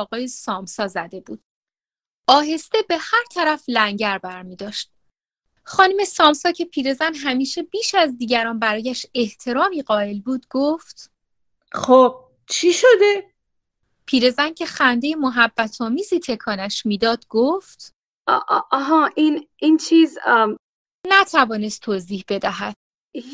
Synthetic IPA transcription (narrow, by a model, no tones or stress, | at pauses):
ɒːɣɒːjesɒːmsɒːzæd̪e̞buːd̪̥ | ɒːɦe̞st̪e̞be̞hæɾt̪ʰæɾæflæŋɟæɾbæɾmiːd̪ɒːʃt̪̚ | xɒːnume̞sɒːmsɒːcʰe̞pʰiːɾe̞zænɦæmiːʃe̞biːʃæzd̪iːɟæɾɒːnbæɾɒːjæʃe̞ht̪ʰe̞ɾɒːmiːɢɒːe̞lbuːd̪ɡoft̪ | χob̥̚ | t͡ʃʰiʃod̪e | pʰiːɾe̞zæncʰe̞xænd̪e̞jemoɦæbːæt̪ʰɒːmiːziːt̪ʰe̞kʰɒːnæʃmiːd̪ɒːd̪̥ɡoft̪ | ʔʔɒɦɒʔinint͡ʃʰiːz | næt̪ʰævɒːne̞st̪ʰːoziːhbe̞d̪æɦæd̪̥̚